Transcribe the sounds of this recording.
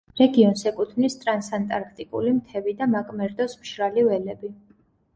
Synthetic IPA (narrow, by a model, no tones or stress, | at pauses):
ɾɛɡiɔnsɛkʼut̪ʰvnist̪ʼɾansant̪ʼaɾkʰt̪ʼikʼṵlimt̪ʰɛvid̪amakʼmɛɾd̪ɔsmʃɾalivɛlɛbi